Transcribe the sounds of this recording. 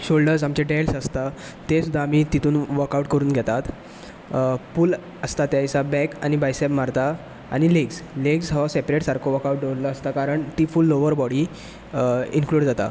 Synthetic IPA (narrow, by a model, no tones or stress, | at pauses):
ɕolɖəɾsamt͡ɕẽɖelsəst̪a | t̪esud̪ʱːaːmit̪it̪uːnʋəɾkawʈkəɾuːnɡʱɛt̪at̪ | puːl | əst̪at̪jajsabɛka̰ñibajsɛpmaɾt̪a | a̰ɽ̃ileɡsleɡsɦɔsepɾeʈsaɾkʰoʋəɾkawʈ̚ɖeʋɾləəst̪akaɾəɳt̪iːfulːoʋəɾbɔɽiː | inkluːɽd͡zat̪a̰